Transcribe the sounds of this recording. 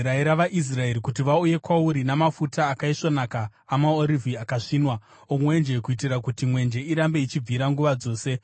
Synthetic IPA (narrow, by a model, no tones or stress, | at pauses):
ɾaeɾaʋaʔis̬rae̞ɾikutiʋauje̞kwauɾinamafutaːkaiʂo̞nakaː | maoɾivʱiakaʂiːnwa | omwe̞nd͡ʒe̞kuit̬irakutimwe̞nd͡ʒe̞iɾambe̞it͡ʃib͡viɾaŋɡuʋad͡zo̞ːse̞